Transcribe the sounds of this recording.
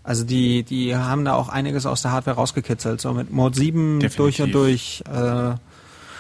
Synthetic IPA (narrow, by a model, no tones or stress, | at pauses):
ʔalzodiːd̥iːɦaːbm̩daːʔa̰ʊxʔaɪnɪɡəs̬a̰ʊsd̥eːɐaːtv̥eːɐʁaʊsɡ̥əkʰɪt͡sl̩tz̥o̰ːmɪtmoːtz̥iːbm̩d̥ʊɐçʊntd̥ʊɐçʔɛː